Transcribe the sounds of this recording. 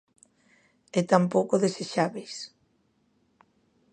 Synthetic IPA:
et̪ampowkoðeseʃaβejs

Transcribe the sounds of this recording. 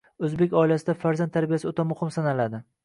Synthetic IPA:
ɵzbe̞kʲɒɪlasɪd̪afaɾzant̪ʰːaɾbijasɪot̪ʰamʊhɪmsanalad̪ɪ

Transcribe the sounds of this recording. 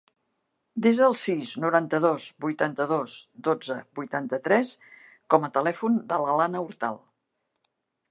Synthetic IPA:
d̪ezəlˠsiznuɾant̪əðozbujt̪ant̪əðozd̪od͡zəbujt̪ant̪ət̪ɾɛs | kɔmət̪əlɛfund̪ələlanəuɾt̪a̰lˠ

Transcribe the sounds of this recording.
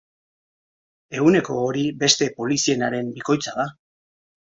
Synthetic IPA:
e̞ɣune̞ko̞ːɾibe̞st̪e̞po̞lisie̞naɾe̞mbiko̞jt͡saða

